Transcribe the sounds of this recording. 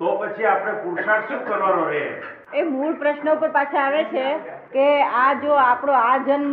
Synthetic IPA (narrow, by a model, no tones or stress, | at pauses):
t̪opət͡ʃʰiapɽekuɾʃanʃũkəɾʋaɾoɦe | emuɭpɾəʃnəupəɾpat͡ʃʰãaʋet͡ʃʰe | kead͡ʒoapɽoad͡ʒənm